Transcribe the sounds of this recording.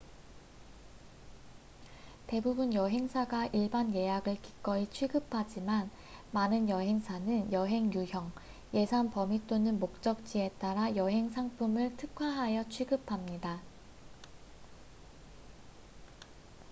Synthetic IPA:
te̞bubunjʌɦe̞ŋsʰaɡaʔiɭbanje̞jaɡɯɭki̥k͈ʌit͡ɕʰwiɡɯpʰad͡ʑiman | manɯnjʌɦe̞ŋsʰanɯnjʌɦe̞ŋjuçjʌŋ | je̞sʰanpʌmit͈onɯnmok̚t͡ɕ͈ʌk̚t͡ɕ͈ie̞t͈aɾajʌɦe̞ŋsʰaŋpʰɯmɯɭtʰɯkʰwaɦajʌt͡ɕʰwiɡɯpʰamɲida

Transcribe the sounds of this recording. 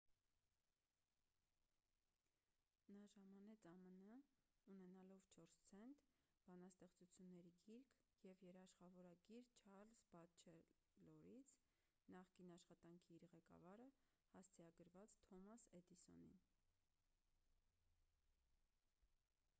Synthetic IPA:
nɑʒɑmɑnɛt͡sʰɑmənəunɛnɑlɔvt͡ʃʰɔɾst͡sʰɛnt̪ | b̥ɑnɑst̪ɛχt͡sut͡sʰjunːɛɾiɡiɾkʰ | jɛvjɛɾɑʃχɑvɔɾɑɡiɾt͡ʃʰɑɾlsbɑt͡ʃʰɛ | lɔɾit͡sʰ | nɑχkinɑʃχɑt̪ɑŋkʰiːɾʁɛkɑ̰vɑɾə | hɑst͡sʰɛɑɡəɾvɑt͡st̪ʰɔmɑsɛd̪isɔ̰nḭn

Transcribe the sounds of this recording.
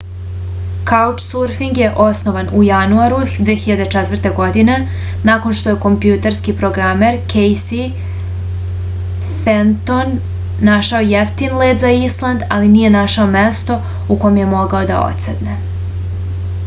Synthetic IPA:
kaut͡ʃsuɾfiŋɡje̞ʔosnoʋanujanuaɾud̪ʋeːxiʎad̪e̞t͡ʃɛt̪ʋr̩t̪e̞ɡo̞d̪ine̞ | nako̞nʃt̪o̞je̞ko̞mpjut̪eɾskipɾo̞ɡɾameɾkejsi | fent̪onː | aʃaojeft̪inled̪zaislˠand̪aliniːje̞naʃao̞mest̪o̞ | uko̞jmje̞mo̞ɡao̞d̪a̰o̰t̪sed̪ne

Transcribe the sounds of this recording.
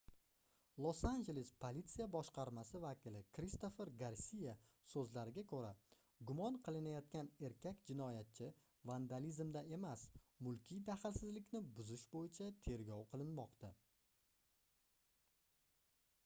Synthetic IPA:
lˠosand͡ʒe̞lespʰolit̪sijabɒʃqɑɾmasɪvakʲɪlɪkʰɾist̪o̞fe̞ɾɡaɾsʲija | sɵzlaɾɪɡʲakʰɵɾa | ɡʊmɒɴqʰɨlˠɪnajɒt̪̚kʲane̞ɾkʲʰakʲd͡ʒɪnɒjat̪̚t͡ʃʰɪ | vand̪alizmd̪ae̞masmʊlˠkʲʰid̪aχlsɪzlɪkʲnɪbʊzɪʃbojɪt͡ʃʰat̪ʰe̞ɾɡʲɒwqʰɨlˠɪnmɒqt̪a

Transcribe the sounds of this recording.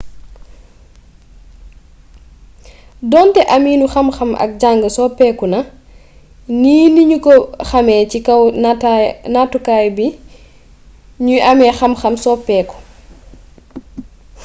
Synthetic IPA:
dɔntɛʔɐmiːnuxɐmxɐmʔɐ̰k̚ɟaŋɡəsɔpɛːkunɐ | niːniɲukɔxɐmɛːcikɐw | natukajbi | ɲuʔamɛːxɐmxɐmsɔpɛːku̥

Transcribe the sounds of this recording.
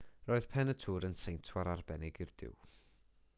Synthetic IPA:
roːɨð̥pʰɛnətʰuːɾənsejntʰwaɾarbɛnɪɡɪrd̥ɪ̰w

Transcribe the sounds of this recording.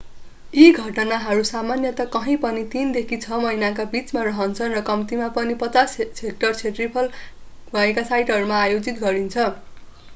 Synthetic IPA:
iɡʱʌʈʌnaɦʌɾusamanjʌt̪akʌɦʌ̃j̃pʌnit̪ind̪ekʰit͡sʰʌmʌɦjnakabit͡smarʌɦʌnt͡sʰʌnrʌkʌmt̪imapʌnipʌt͡sasek̚ʈʌrt͡sʰeʈripʰʌl | bʱʌekasajʈɦʌɾumaːjod͡zit̪ɡʌɾint͡sʰʌ

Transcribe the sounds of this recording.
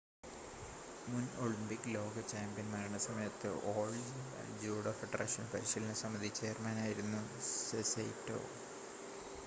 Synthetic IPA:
muno̞ɭimpikːɨlo̞ːɡɐt͡ɕaːmbijɐnmɐɾɐɳɐsɐmɐjɐt̪ːɨ̰ʔoːɭd͡ʑuːɽofɐʈra̰ːʂɐnpɐɾiɕɐlinɨsɐmːɐd̪it͡ɕːe̞ːrmaːnaːjiɾunːusesḛjto̞̰ː

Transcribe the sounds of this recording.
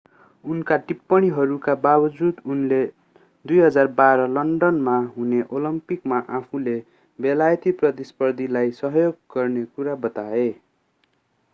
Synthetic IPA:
unkaʈipːʌɽ̃iɦʌɾukababʌd͡zud̪unle | d̪ujɦʌd͡zarbaɾʌlʌɳɖʌnmaɦuneʔolʌmpikmaʔapʰũle | belajʌt̪iprʌt̪ispʌrd̪ʱilajsʌɦʌjoɡɡʌrnekuɾabʌt̪ae

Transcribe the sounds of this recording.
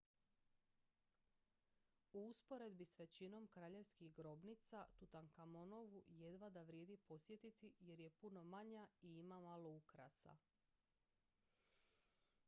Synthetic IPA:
uuspo̞ɾe̞d̪bisʋe̞t͡ɕino̞mkɾaːʎe̞ʋskixɡɾo̞bnit̪sat̪ut̪aŋkamono̞ʋuje̞d̪ʋad̪aʋɾje̞ːd̪ipo̞sje̞t̪it̪ije̞ɾje̞puno̞maɲaiimamaloukɾa̰sa̰

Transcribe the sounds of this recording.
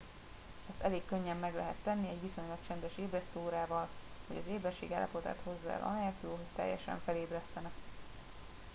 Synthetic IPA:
ɛst̪ɛleːkkːøɲːɛmːɛɡlɛɦɛt̪ːɛnːiɛɟʋiso̞ɲlɒkt͡ʃɛnd̪ɛʃeːbrɛst̪oːɾaːvɒlho̞̰ɟɒzeːbɛrʃḛːɡa̰lːɒ̰po̞t̪a̰ːt̪ho̞zːa̰ɛ̰lʔɒ̰nɛt̪oːɦot̪ːɛ̰jːɛ̰ʃɛ̰ɱfɛleːbrɛst̪ɛnɛk

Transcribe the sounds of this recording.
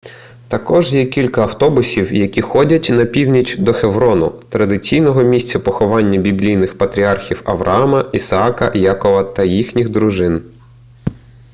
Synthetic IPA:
t̪ɐkɔʒjɛkʲilʲkɐːwt̪ɔbʊsʲiwjɐkʲixɔdʲɐtʲnɐpʲiwnʲit͡ʃd̪ɔxeʋɾɔnʊ̰t̪ɾɐd̪ɪt͡sʲijnɔɦɔmʲisʲt͡sʲɐpɔxɔʋɑnʲːɐbʲiblʲijnɪxpɐt̪ɾʲiɑrxʲiwɐʋɾʔɐ̰ɑmɐisɐɑkɐ̰jɑkɔʋɐt̪ɐjixnʲiɣd̪ɾʊʒɪn

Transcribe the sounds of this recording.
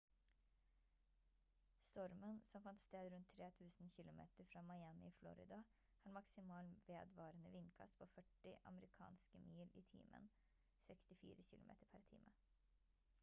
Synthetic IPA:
st̪ɔɾmənsɔmfɑnt̪st̪eːd̪ɾʉnt̪ʰːɾeːt̪ʰʉːsn̩çɪlʊmḛːt̪əɾfɾɑːmɑɪæmɪiːflɔ̰ɾɪ̰d̪ɑ | hɑːɾmɑksɪmɑːlʋeːd̪ʋɑːɾənəʋɪnːkʰɑ̰st̪̚pʰoːfœʈːɪʔɑ̰məɾɪkʰɑ̰ːnskəmiːliːt̪ʰḭːmʔə̰n | sɛkst̪ɪfḭːɾəçɪlʊmḛːt̪əɾpʰæɾt̪ʰḭːmʔə

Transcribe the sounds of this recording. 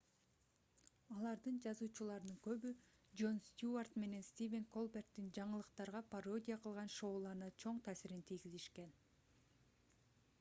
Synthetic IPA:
ɑlˠɑɾd̪ɯnd͡ʒɑzuːt͡ʃulˠɑɾɯnɯŋkø̞βy | d͡ʒo̞nst̪ʲjuart̪me̞ne̞nst̪ʲivʲe̞ŋko̞lˠbert̪ːind͡ʒɑɴɯlˠɯqt̪ɑɾʁɑpʰɐro̞dʲijaqʰɯlˠʁɑnʃo̞ːlˠɑɾnɑt͡ʃʰo̞ɴt̪ʰæːsiɾint̪ʰijɡiziʃke̞n

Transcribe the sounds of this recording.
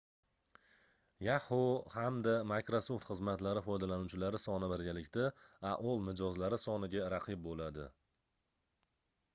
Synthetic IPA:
jahohamd̪amakɾosoft̪χɨzmat̪laɾɪfɒjd̪alanut͡ʃʰɪlaɾɪsɒnɪbɪɾɡʲalɪkʲt̪aaʔɒlˠmɪd͡ʒɒzlaɾɪsɒnɪɡʲaɾaqʰɨb̚bolad̪ɪ̰

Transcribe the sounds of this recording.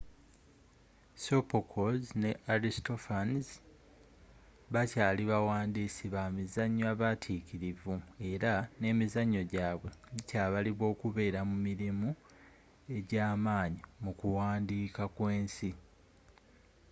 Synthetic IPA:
so̞pokʰozne̞ʔaɾistofanz | βacaːliβawaːndiːsiβamizaɲːoaβatʰiciɾivue̞ɾane̞ːmizaɲːo̞ɟaːβwe̞ɟicaːβaliβwo̞ːkuβe̞ːɾamumiɾimu | e̞ɟaːmaːɲimukuwaːndiːkakwe̞ːnsi

